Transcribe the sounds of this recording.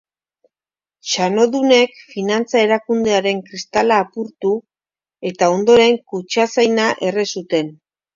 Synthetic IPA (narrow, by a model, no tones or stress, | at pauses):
ʃano̞ðune̞kfinant͡sae̞ɾakund̪e̞aɾe̞ŋkɾist̪alaːpuɾt̪u | e̞t̪ao̞nd̪o̞ɾe̞ŋkut͡ʃasajnaʔe̞resut̪e̞n